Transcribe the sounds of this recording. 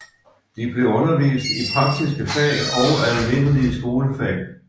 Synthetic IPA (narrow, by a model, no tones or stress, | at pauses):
d̥ib̥le̝ɔ̽nɐʋḭːsd̥ipʰʁɑ̈ɡ̥̚d̥isɡ̥əfɛ̰ːlɒʊælme̝n̰liəsɡ̥o̝ːləfɛ̰l